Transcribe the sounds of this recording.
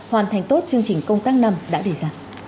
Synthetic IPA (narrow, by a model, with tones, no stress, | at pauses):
hwaː˨˩nt̪ʰa˨˩ŋ̟t̪o˦˥t̚t͡ɕɨ˧əŋt͡ɕï˨˩ŋ̟kə˧wŋ͡mt̪aː˦˥k̚na˧mɗa̰ː˧˥ɗe˧˩zaː˧